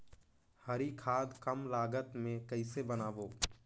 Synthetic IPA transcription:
hɐɾikʰaːd̪kɐmlaːɡət̪mẽkɐɪsebɐnaːʋoː

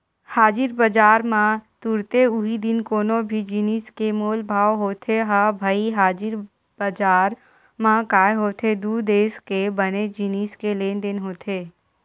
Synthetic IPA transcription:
haːd͡ʒɪɾbəd͡ʒaːɾmãt̪uɾt̪eʊɦid̪ɪnkoːnobʱid͡ʒiniːskemoːlbʱaːʋɦoːt̪ʰeɦabʱaiɦaːd͡ʒɪɾ | bəd͡ʒaːɾ | mãkaːeɦoːt̪ʰed̪uːd̪eːskebəned͡ʒiniːskeleːnd̪ɪnɦoːt̪ʰeː

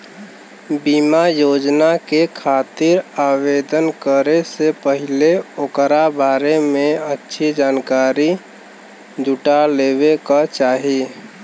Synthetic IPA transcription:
bimajoːd͡ʒnakekʰaːt̪iɾaːwed̪ənkəɾesepəɦɪleokɾabaːɾemẽətːʃʰid͡ʒaːnkaːɾi | d͡ʒʱuʈaleːwekat͡ʃaːɦi

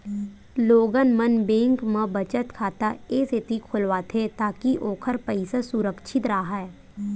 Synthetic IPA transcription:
loːɡənmənbẽːŋkmãbət͡ʃət̪kʰaːt̪aeset̪ikʰʊlʋaːt̪ʰet̪aːkiʔoːkʰəɾpəɪsasʊɾəkʃʰɪt̪ɾaɦaɦɛː

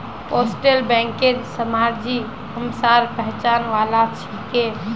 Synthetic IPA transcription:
posʈelbɛ̃ŋkeɾsəmaɾd͡ʒi | həmsaɾpəɦt͡ʃanʋalat͡ʃʰike

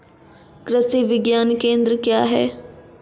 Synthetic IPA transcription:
kɾɪsiːʋɪɡjaːnkẽːnd̪ɾkjaːɦɛ̰ː

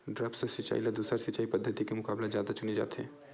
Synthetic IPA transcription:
ɖɾəpsesɪt͡ʃa̰ilad̪uːsəɾsɪt͡ʃaːipəd̪ʱːət̪ikemʊkaːblazjaːd̪at͡ʃʊned͡ʒa̰ːt̪ɛ̰̃ː

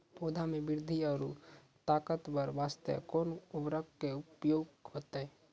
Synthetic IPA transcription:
poːd̪ʱamẽbɪɾd̪ʱiɔːɾu | t̪aːkət̪bəɾʋaːst̪ə̰kɔːnʊbɾək̚keʊpjoːɡhoːt̪eɦɛ

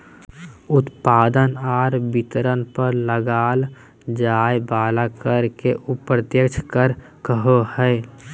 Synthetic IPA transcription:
ʊt̪paːd̪ənaːɾbɪt̪ɾənpəɾləɡaːl | d͡ʒaːebaːlakəɾkeʔupɾət̪jəkt͡ʃʰkəɾ | kəɦohɛː

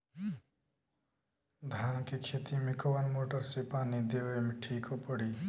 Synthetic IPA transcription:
d̪ʱaːnkekʰet̪imekəʋanmoːʈəɾsepaːnid̪eʋemeʈʰiːkopəɽiː

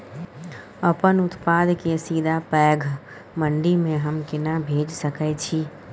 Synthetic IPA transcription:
əpənʊt̪pad̪ʱkesiːd̪ʱapɛːɡʱ | məɳɖimẽɦəmkɪnabʱed͡ʒsəkɛt͡ʃʰi

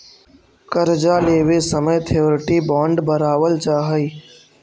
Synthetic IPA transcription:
kəɾd͡ʒaːleːʋesəməjt̪ʰeʋɾʈibɔ̃ːɳɖbəɾaːʋəlt͡ʃaːɦəiː

